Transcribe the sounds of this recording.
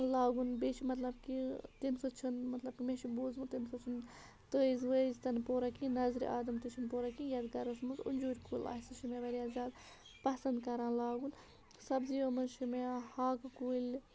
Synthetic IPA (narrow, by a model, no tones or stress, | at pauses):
laːɡunbeːʃimɐt̪lɐb̚kit̪insɐt͡ʃʰunmɐt̪lɐb̚kʲimeʃiboːzmɨt̪insɐt͡ʃʰun | t̪əːizʋəzt̪ɐnpoːɾakinɐzɾḭʔaːd̪ɐmt̪it͡ʃʰinpoːɾakĩnjad̪ɡɐɾɐsmɨzṵnʲd͡ʒuːɾʲkuːla̰ːsɨʃimeʋɐɾʲiaːzʲaːd̪ | pɐsɐnd̪kɐɾãːlaːɡun | sɐbziɐmɐzʃimehaːkkuilʲ